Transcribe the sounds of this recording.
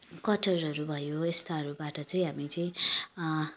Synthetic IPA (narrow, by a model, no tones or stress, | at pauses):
kʌʈʌrɦʌɾubʱʌjoest̪aʌɾubaʈʌt͡sʌĩɦamit͡sʌĩ